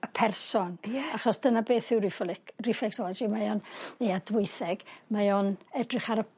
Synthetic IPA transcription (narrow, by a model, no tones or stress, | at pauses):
əpʰɛrsɔnjaχɔsd̥ənabeːθɪwrɪflrifɛksɔlˠɛd͡ʒimajɔnejadwɪɨθɛɡ̥majɔnɛdrɨχaɾə